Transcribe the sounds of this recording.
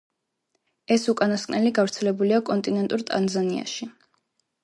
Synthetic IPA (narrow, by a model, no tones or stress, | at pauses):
ɛsukʼanaskʼnɛliɡavɾt̪sʰɛlɛbuliakʼɔnt̪ʼinɛnt̪ʼuɾt̪ʼa̰nzania̰ʃi